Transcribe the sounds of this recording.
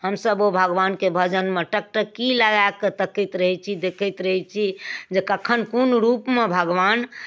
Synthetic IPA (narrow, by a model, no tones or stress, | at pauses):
ɦəmsəbobʱəɡʋankebʱəd͡ʒənmeʈək̚ʈəkiləɡakːet̪əkət̪ɾəɦɛt͡ʃʰid̪ekʰət̪ɾəɦɛt͡ʃʰid͡ʒekəkʰənkunɾupmebʱəɡʋan